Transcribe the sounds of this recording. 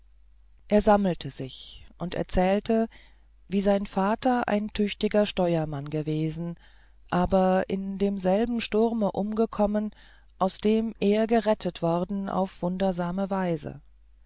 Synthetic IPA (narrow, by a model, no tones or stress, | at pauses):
ʔeːɐzaml̩tʰəz̥ɪçʔʊntʔɛ̰ɐt͡sɛːltʰə | viːzaɪnfaːtɐʔa̰ɪntʰʏçtɪɡɐʃtɔʏɐmanɡəveːzn̩ | ʔaːbɐʔɪndeːmzɛlbm̩ʃtʊʁməʔʊmɡəkʰɔmən | ʔaʊsd̥eːmʔeːɐɡəʁɛtʰətv̥ɔʁdn̩a̰ʊfv̥ʊndɐzaːməvaɪzə̰